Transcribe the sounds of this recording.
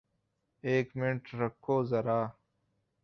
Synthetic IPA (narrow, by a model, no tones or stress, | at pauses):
eːkmɪɳʈɾɐkʰːoːzɐɾaː